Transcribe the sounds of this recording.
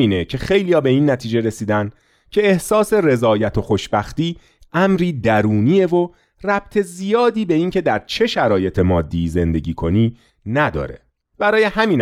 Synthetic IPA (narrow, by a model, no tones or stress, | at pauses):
iːnecʰe̞xe̞jlijɒːbe̞iːnːæt̪ʰiːd͡ʒeɾesiːd̪ænd̪ | cʰe̞ːhsɒːse̞re̞zɒːjæt̪ʰo̞xo̞ʃbæxt̪iː | æmɾiːd̪æɾuːniːe̞vo | ræb̥̚t̪ʰe̞zijɒːd̪iːbe̞iːncʰe̞d̪æɾt͡ʃʰe̞ʃæɾɒːje̞t̪ʰe̞mɒːd̪ːiːze̞nd̪e̞ɟiːkʰo̞niː | næd̪ɒ̰ːɾḛ | b̥æɾɒːje̞hæmiːn